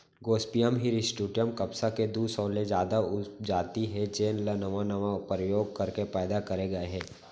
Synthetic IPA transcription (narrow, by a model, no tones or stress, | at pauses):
ɡoːspijəmɦiɾisʈuːɖijəmkɐpsaked̪usɔːled͡ʒjaːd̪aʊd͡ʒaːt̪iɦɛd͡ʒeːnlanɐʋanɐʋapɾəjoːɡ̚kɐɾkepɛːd̪akɐɾeɡɐeɦɛː